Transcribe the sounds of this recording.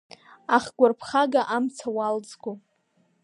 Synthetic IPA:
aχɡʷarpʰχaɡaʔamt͡sʰawald͡zɡʷo

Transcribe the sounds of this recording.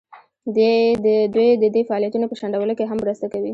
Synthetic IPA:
d̪ed̪əd̪wejd̪əd̪efaɑlijat̪unopəʃaɳɖawəlokeɦamːɾəst̪akawi

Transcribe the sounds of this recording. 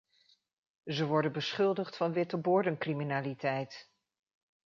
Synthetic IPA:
zəʋɔɹdənbəsχɵlˠdəχtfɑnʋɪtəbʊːɹdənkriminaːlitɛjt

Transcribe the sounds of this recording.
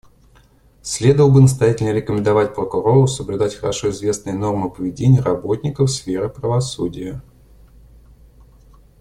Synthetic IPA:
sʲlʲe̞d̪əvəlˠbɨnəs̬t̪ɐjætʲɪlʲnəɾʲɪkəmʲɪnd̪ɐvatʲpɾəkʊɾo̞ɾʊsəblʲʉd̪atʲxəɾɐʂo̞ɪzvʲe̞snɨjəno̞rmɨpəvʲɪdʲenʲɪjəɾɐbo̞tʲnʲɪkəfsfʲeɾɨpɾəvɐsudʲɪjə

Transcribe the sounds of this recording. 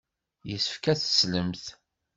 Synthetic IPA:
jəsə̥fkæθə̥sləmθ

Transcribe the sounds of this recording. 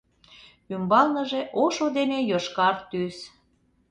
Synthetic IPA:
ymbɑlnəʒeʔoʃod̪enejoʃkɑrt̪ys

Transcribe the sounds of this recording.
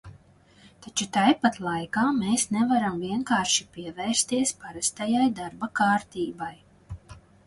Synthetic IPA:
t̪at͡ʃut̪ajpat̪lˠajkaːmeːsnɛvaɾamviɛŋkaːɾʃipiɛvɛːɾst̪iɛspaɾast̪ajajd̪aɾbakaːɾt̪iːbaj

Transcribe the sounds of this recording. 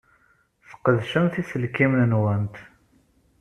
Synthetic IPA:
θə̥qəðʃəmθisəlkimnənwænt̪

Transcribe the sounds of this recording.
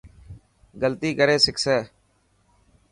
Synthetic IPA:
ɡəlt̪iːkəɾeːsɪksɛː

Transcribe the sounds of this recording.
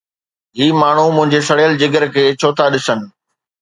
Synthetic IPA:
ɦiːmaːɳ̤umʊ̃ɦɪ̃ɲd͡ʑesɐɽjəld͡ʑɪɡəɾkʰeːt͡ɕʰoːt̪ʰaɗɪsənɪ̆

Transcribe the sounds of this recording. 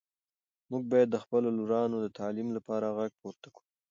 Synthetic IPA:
muɡ̚bɑjad̪ːəxpəloluɾɑnod̪ət̪ɑlimlapɑɾaɣaɡ̚poɾt̪ḁku̥

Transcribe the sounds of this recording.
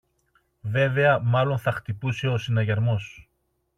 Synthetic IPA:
ve̞ve̞ɐmɐlo̞nθɐxt̪ipuseo̞sinɐʝɐɾmo̞s

